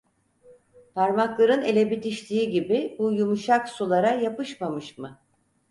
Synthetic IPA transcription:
pʰaɾmaklˠaɾɯne̞lʲebit̪ʰiʃt̪ʲiːɟibibujumuʃaksulˠaɾajapɯʃmamɯʃmɯ

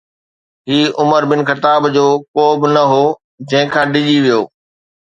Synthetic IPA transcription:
ɦiːʊməɾbɪnxɪt̪aːbd͡ʑoːkoːbɪnɐɦoː | d͡ʑɐ̃ɦɪ̃kʰãːɖɪʄiʋijoː

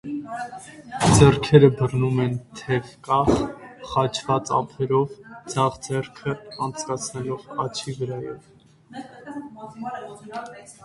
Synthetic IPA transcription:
d͡zɛrkʰɛɾəbərnumɛnt̪ʰɛvkɑχχɑt͡ʃʰvɑt͡sɑ̰pʰɛɾɔvd͡zɑʁd͡zɛrkʰəɑnt͡sʰkɑt͡sʰnɛlɔʁɑt͡ʃʰivəɾɑjɛv

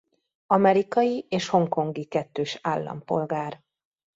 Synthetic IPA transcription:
ɒmɛɾikɒjieːʃho̞ŋko̞ŋɡikɛt̪ːøːʃaːlːɒ̰mpo̞̰lɡaːr

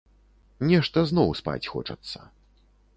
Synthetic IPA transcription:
nʲɛʂt̪ɐznɔwspa̰t͡sʲxɔ̰t͡ʂɐt̪sːɐ

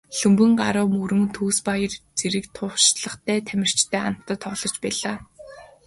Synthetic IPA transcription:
ɬɵmpɘ̆ŋɢaɾʊːmuɾɵ̆ŋt̪ʰuːspajə̆rt͡seɾɘ̆kt̪ʰʊːʃɮə̆χt̪ʰæːt̪ʰæmʲɪ̆r̥t͡ɕt̪ʰæːa̰n̥t̪ːə̆t̪ʰːɔːɮɞ̥̆t͡ɕpæːɮaː

